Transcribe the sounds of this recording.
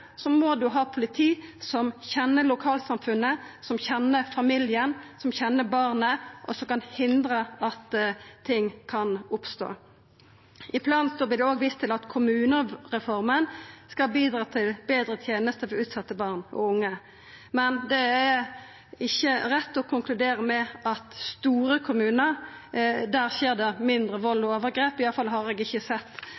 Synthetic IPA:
sɔmɔd̪ʉɦɑːpʰʊlɪt̪ʰiːsɔmçɛnːəlʊkʰɑːlsɑmfʉnːəsɔmçɛnːəfɑmɪljənsɔmçɛnːəbɑʁnəʔɔsɔmkɑnhɪnd̪ɾəɑt̪ʰːɪŋːkʰɑnʊpst̪o̰ː | ɪpʰlɑːnst̪oːblɪd̪ɛoːɡʋiːst̪ʰɪlɑt̪kʰʊmʉːnəʁɛfɔɾmənskɑbiːd̪ɾɑːt̪ʰɪlbeːd̪ɾət̪ʰjeːnəst̪əfɔʉːt̪sɑt̪ːəbɑːʁnɔ̰ʊŋːə | mɛnd̪ɛæ | ɪçːəɾɛt̪ːɔkʰʊŋklʉd̪eːʁəmɛʔɑt̪st̪uːɾəkʰʊmʉːnəɾ | d̪æːɾseːʁd̪ɛmɪnd̪ɾəʋɔlɔoːʋəɾɡɾeːpɪjɑlfɑlɦɑʁɛɡɪçːəsɛt̪ː

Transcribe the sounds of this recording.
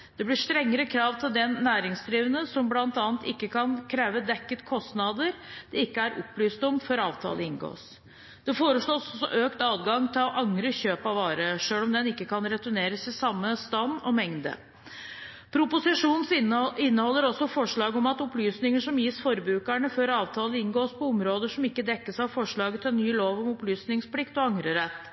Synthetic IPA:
d̪̥ɛblɪʂt̪ɾɛŋːəɾəkʰɾɑːʋt̪ʰɪld̪ɛːæːɾɪŋsd̪ɾiːʋənəsɔmblɑnt̪ɑːnt̪ɪkːəkʰɑnkʰɾeːʋəd̪ɛkːət̪kʰɔst̪nɑd̪əɾd̪ɛɪkːəæɾɔpːlyːst̪ɔmfɔɾɑːʋt̪ʰɑ̰ːləɪnɡo̰ːs | d̪̥ɛfoːɾəʂɭoːsɔsɔ̰ʔøːkt̪ɑːd̪ɡɑŋːt̪ʰɪlɔʔɑŋɾəçøːpɑʋɑːɾəʂøːlɔmd̪ɛnɪkːəkʰɑnɾɛt̪ʊneːɾəsɪsɑmːəst̪ɑnːɔmɛŋd̪ə̰ | pʰɾʊpʊsɪʂuːnn̩sɪnːəhɔlːəɾɔsɔfɔʂɭɑːɡɔmɑt̪ɔplyːsnɪŋəʂɔmjiːsfɔɾbɾʉːkæɳəføːɾɑːʋt̪ʰɑːləɪnɡoːspʰɔɔmɾoːd̪əʂɔmɪkːəd̪ɛkːəsɑʋfɔʂɭɑːɡət̪ʰɪlɛnːyːloːʋɔmɔplyːsnɪŋspʰlɪkt̪ɔɑŋɾəɾɛt̪ː

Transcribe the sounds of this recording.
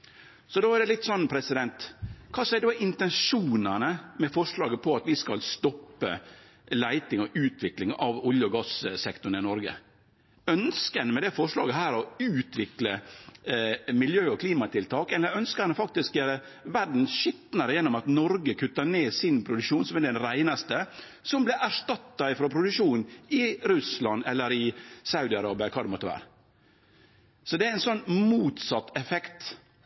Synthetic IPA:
sɔd̪oːæɾɖɛlɪt̪ːsɔnːpʰɾɛsɪd̪ɛnt̪kʰɑːsɛɪɖoːɪnt̪ɛnʂuːnɑnəmɛfɔʂɭɑːɡəpʰɔɑt̪ʋɪskɑlst̪ɔpːə̰ | læɪt̪ɪŋɔʔʉːt̪ʋɪklɪŋɑʋʊljəɔɡɑssɛkt̪ʊɳ̩əɪnɔɾɡə̰ | œnskənəmɛd̪ɛfɔʂlɑ̰ːɡəɦæːɾɔʉːt̪ʋɪklə | mɪljøːɔkʰliːmɑt̪ʰɪlt̪ʰɑːkɛlːəɾœnskəɛnɔfɑk̚t̪ɪskjæːɾə | ʋæɖn̩sʃɪt̪nɑɾəjɛnːɔmɑt̪nɔɾɡəkʰʉt̪ːɑneːsɪnpʰɾʊd̪ʉkʂuːnsɔmɛd̪ɛnɾæɪnɑst̪ə | sɔmblɛʔæʂʈɑt̪ːɑɪfɾɔpʰɾʊd̪ʉkʂuːnɪɾʉslɑnɛlːəɾɪsɑʉd̪ɪɑɾɑːbɪɑkʰɑːd̪ɛmɔːt̪ːəʋæ̰ːɾə | sɔd̪ɛæɪnsɔnːmuːt̪sɑt̪ːɛfɛkt̪

